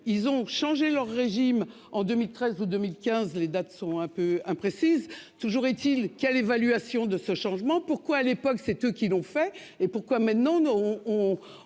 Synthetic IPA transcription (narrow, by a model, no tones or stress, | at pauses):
ilzɔ̃ʃɑ̃ʒelœʁːeʒim | ɑ̃d̪ømilt̪χɛzud̪ømilkʲɛ̃zled̪at̪sɔ̃ɛ̃pøɛ̃pχesizt̪uʒuʁet̪ilkʲɛlevalɥasjɔ̃d̪əsəʃɑ̃ʒmɑ̃puʁkwaːlepɔksɛt̪økʲilɔ̃fɛ | epuʁkwamɛ̃t̪nɑ̃ɔ̃